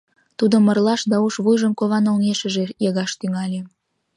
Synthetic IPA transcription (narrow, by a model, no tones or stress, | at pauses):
t̪ud̪omə̆rlɑʃd̪ɑuʃβujʒəmkoβɑnolneʃə̆ʒejeɣɑʃt̪yŋɑlʲe